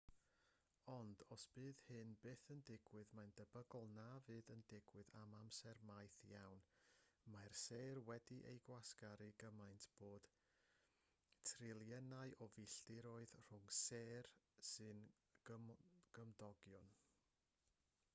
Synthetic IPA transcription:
ɔndɔsb̥ɨːðhɨnbeːθəndɪɡwɨðmajndəbəɡɔlˠnavɨːðəndɪɡwɨðamamsɛrmajθjawnmarseːrwɛdiʔḛjɡwasɡ̥aɾiɡəmajntʰb̥oːd̥ | tʰrɪlˠjɛnaɨʔɔvɪɬdɪɾɔɨðr̥ʊŋseːrsɨn | ɡəmɡ̥əmdɔɡjɔn

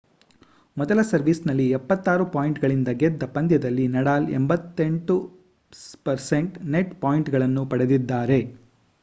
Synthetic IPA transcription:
mɔd̪ɐlɐsɐɾʋiːsnɐlːiɛpːɐt̪ːaːɾupaːjiɳʈɡɐɭind̪ɐɡɛd̪ːɐpɐnd̪jɐd̪ɐlːinɐɽaːlḛmbɐt̪ːeɳʈu | pɐɾseɳʈneʈpaːjiɳʈɡɐɭɐnːupɐɽed̪id̪ːaːɾe̞

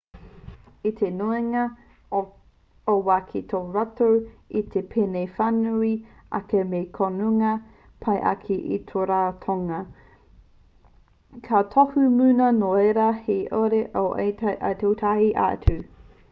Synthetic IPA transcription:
it̪ʰenoeŋɐ | owaːkʰit̪ʰoɹatowit̪ʰepʰenejfanui | ʔɐ̰kemekʰonuŋɐ | pʰɐjʔɐ̰kʰiʔḭt̪ʰoɾaːt̪ʰoŋɐ | kʰat̪ʰohumunɐnoeɾɐheʔoɾeʔoʔḛjtaʔɐ̰t̪ʰowtʰahiʔa̰tʰu

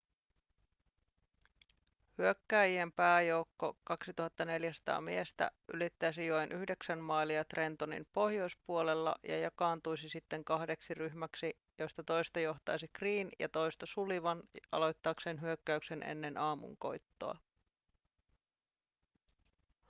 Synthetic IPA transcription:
hyøkːæːjiempæːjo̞wkːo̞kɑksit̪uhɑt̪ːɑne̞ljæsɑ̥t̪ɑ̰ːmiest̪æ̰ʔy̰lit̪ːæsijoenʔyhde̞ksænmɑːiliɑt̪re̞nt̪onḭmpo̞hjo̞jspuole̞lːɑ̰jɑ̰jɑkɑːnt̪ujsisit̪ːe̞ŋkɑhde̞ksiryçmæksi | jost̪ɑt̪o̞jst̪ɑjo̞ht̪ɑjsikriːnjɑ̰t̪o̞jst̪ɑsuliʋɑnɑ̰lo̞jt̪ːɑːkse̞ːnɦyøkːæykse̞nʔḛnːe̞nʔɑːmṵŋko̞̰jt̪ːo̰ɑ̰

